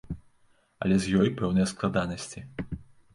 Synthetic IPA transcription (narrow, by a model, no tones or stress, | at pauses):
ɐ̰lʲɛzʲjɔjpɛwnɨjɐsklˠad̪anɐsʲt͡sʲi